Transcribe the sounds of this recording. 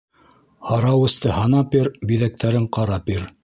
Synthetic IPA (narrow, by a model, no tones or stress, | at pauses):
hɑɾɑwɤ̆st̪ɤhɑnɑpiɾbiðæk̚t̪ʰæɾɘɴqɑɾɑpiɾ